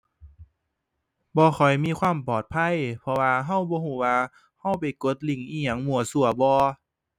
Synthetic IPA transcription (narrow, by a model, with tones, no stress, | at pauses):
bɔː˧xʰɔ˨˩jmiː˧˥˨kʰwaː˧˥˨mpɔː˨˩t̪̚pʰa˧˥˨jpʰɔ˧waː˧ɦa˧˥˨wbɔː˧˦ɦuː˧˩˦waː˧ | ha˧˩˨wpa˨˩jko˧˦t̪̚li˧˩ŋʔiː˧˩ɲa˧˦ŋmu˨˧˩ɐsu˧˩ɐbɔː˧